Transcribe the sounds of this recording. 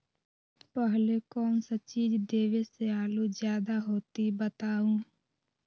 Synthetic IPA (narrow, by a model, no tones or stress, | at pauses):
pəɦlekɔːnsət͡ʃiːd͡ʒd̪eːʋeseaːlud͡ʒjaːd̪aɦoːt̪ibət̪aːũː